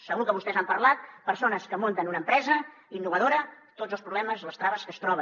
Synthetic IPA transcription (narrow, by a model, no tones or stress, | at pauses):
səɣukəβust̪ɛzampəɾlat̪̚pəɾsonəskəmont̪ənunəːmpɾɛzə | inːuβəðoɾə | t̪od͡zəspɾuβlɛməzləst̪ɾaβəskəst̪ɾɔβə